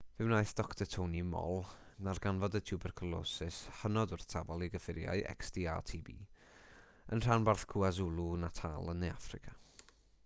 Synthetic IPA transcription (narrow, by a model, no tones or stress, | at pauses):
v̥ɪwnaɨθd̥ɔktʰətʰownimɔ̰lˠnarɡanvɔdətʰjubɛrkʰɔlˠɔ̰ːsɪshənɔdʊrθtʰavɔlˠiɡəfɪɾja̰ɨʔɛ̰ksdiːa̰tʰiːbḭː | ənr̥anbarθkʰuazulˠunatʰa̰ːlˠənːejafrɪkʰa